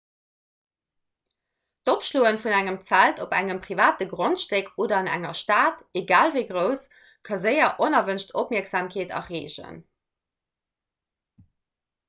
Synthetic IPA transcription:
topʃloːənfunæŋəmt͡sæltopæŋəmpʁivaːtəɡʁontʃteːkʰoːdɐɑnæ̰ŋɐʃtaːteɡaːlvəɪɡʁəʊs | kʰɑzəɪɐʔonɐvənʃtʰopmiːɐkz̥aːmkʰeːtɐ̰ʁeːʑə̰n

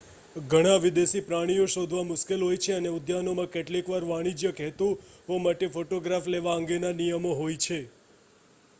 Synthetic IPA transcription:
ɡʱəɽ̃aʋid̪esipɾaɽ̃ijõʃod̪ʱʋamʊʃkelɦojt͡ʃʰeəneʊd̪ʱjanomãkeʈlikʋaɾʋaɽ̃id͡ʒjəkɛɦt̪ũɦomaʈefoʈoɡɾafleʋaəŋɡenanijəmoɦojt͡ʃʰe

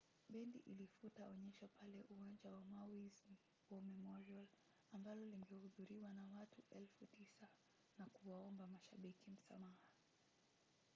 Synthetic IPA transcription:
ɓɛndiʔilifutaɔɲɛʃapalɛʔuwaɲd͡ʒawamawiz | wɔmɛmɔɾɔl | ambalɔliŋɡɛhuðuɾiwanawatuʔɛlfutisa | nakuwaɔmbamaʃaɓikim̩sa̰maha

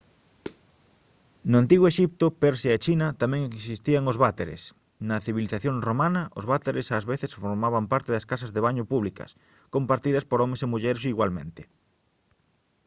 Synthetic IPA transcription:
nʊant̪iɣoeʃip̚t̪ʊpɛɾsjaet͡ʃinɐt̪amɛ̃ŋeksist̪iɐŋozβat̪eɾḛs | nɐθiβiliθaθjoŋromanɐʔozβat̪eɾesazβeθesfoɾmaβampaɾt̪eðɐskasɐzðeβaɲʊpuβlikɐ̰s | kompaɾt̪iðɐspoɾɔmesemuʎɛɾesiɣwalmḛ̃nt̪ɪ̥

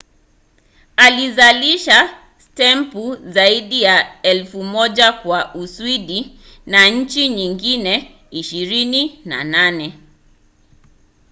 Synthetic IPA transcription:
alizaliʃa | stɛmpuzaiɗijaɛlfumɔʄakwaʔuswiɗi | naɲ̩t͡ʃiɲiŋɡinɛ | iʃiɾinina̰nanɛ

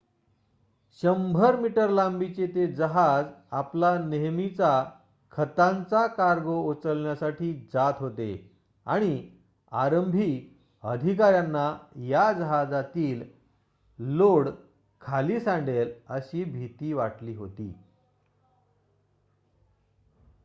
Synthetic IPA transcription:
ɕəmbʱəɾmiʈəɾlambit͡ɕet̪ed͡zəɦad͡zaplaneɦmit͡sa | kʰət̪ãnt͡sakaɾɡoot͡səlɳjasaʈʰiːd͡zat̪ɦot̪ḛ | a̰ɽ̃i | a̰ɾəmbʱi | əd̪ʱikaɾjanːajad͡zəɦad͡zat̪iːlː | oɽ | kʰaliːsãɳɖeləɕiːbʱit̪iːʋaʈliːɦot̪ḭː

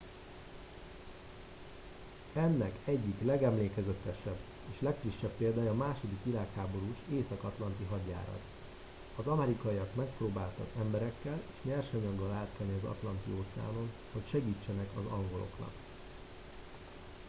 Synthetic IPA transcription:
ɛnːɛkɛɟːiklɛɡɛmleːkɛzɛt̪ːɛʃɛbː | eːʃlɛkfriʃːɛpːeːld̪aːjɒːmaːʃo̞d̪ikʋilaːkhaːbo̞ɾuːʃeːsɒkɒt̪lɒnt̪iɦɒɟːa̰ːɾɒ̰t̪ | ɒzɒmɛɾikɒiɒkmɛkproːbaːlt̪ɒ̰kɛmbɛɾɛkːɛleːʃmɛrʃɛɲɒɡːɒlaːt̪kɛlniɒzɒ̰t̪lɒnt̪ḭoːt̪sɛa̰ːno̞n | ho̞cʃɛɡiːt͡ʃːɛnɛkɒzɒŋɡo̞lo̞̰knɒ̰k

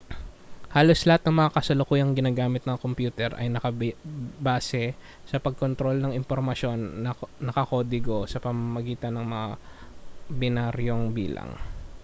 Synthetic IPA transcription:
haːlo̞slɐhat̪̚nɐŋmɐŋakɐsɐlokuːjɐŋɡɪnaːɡaːmɪt̪nɐkompjuːt̪ɛɾʔɐ̰jnɐkɐbbaːsɛ | sɐpɐɡ̚kont̪ɾo̞lnɐŋɪmpoɾmɐʃo̞nnːɐkɐkoːd̪ɪɡo̞sɐpɐmamɐɡiːt̪ɐnːɐŋmɐŋa | bɪnaɾjoŋbiːlɐ̰ŋ

